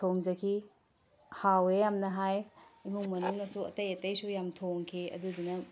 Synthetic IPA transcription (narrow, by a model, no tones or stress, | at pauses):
tʰoŋzɐkʰi | hawejamnɐɦajimuŋmɐnuŋnɐsuɐ̰tɐjɐtɐjsujamtʰoŋkʰiɐ̰d̪ud̪inɐ